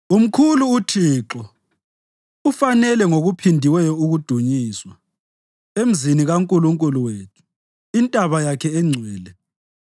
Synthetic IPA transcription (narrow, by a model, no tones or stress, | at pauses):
um̩kʰuluːtʰiːǁɔ | ufanɛlɛŋoɣupʰindʱiwɛjɔuɣud̥ʱuɲiːswa | em̩ziniɣaŋkʼuluŋkʼuluwetʰu̥ | intʼaβajakʰɛɛŋ͡ǀʱwɛːlɛ